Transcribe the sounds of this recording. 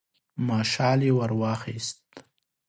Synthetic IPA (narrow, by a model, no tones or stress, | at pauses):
mɑːʃɑːlewaɾwɑːxist̪